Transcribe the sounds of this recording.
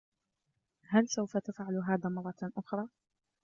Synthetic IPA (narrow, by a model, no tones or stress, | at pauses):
halsawfat̪afʕalɦaːðaːmɑrˤːɑʔʊxɾˤɑː